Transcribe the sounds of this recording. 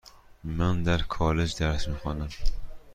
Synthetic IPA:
mand̪aɾkʰɒled͡ʒd̪aɾsmɪχɒnam

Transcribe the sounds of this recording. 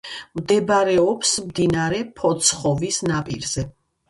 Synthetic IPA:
md̪ɛbaɾɛɔpsmd̪inaɾɛpʰɔt̪sʰχɔvisnapʼḭɾz̥ɛ

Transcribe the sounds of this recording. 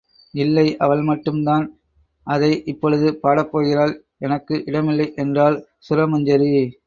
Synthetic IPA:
ɪlːɐɪʔɐʋɐɭmɐʈːɯmd̪aːn | ʔɐðɐɪʔɪpːɔɻɯðɯpaːɽɐpːoːɣɪɾaːl | ɛnɐkːɯʔɪɽɐmɪlːɐɪʔɛndraːl | sʊɾɐmɐɲd͡ʒɐɾi

